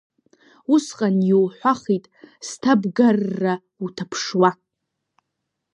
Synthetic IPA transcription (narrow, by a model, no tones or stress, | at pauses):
usqʼanjowħʷaχitʼstʰabɡarːa | utʰapʰʂwa